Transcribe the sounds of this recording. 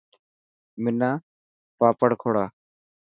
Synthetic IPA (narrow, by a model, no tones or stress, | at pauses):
mɪnaː | paːpəɽkʰoːɽaː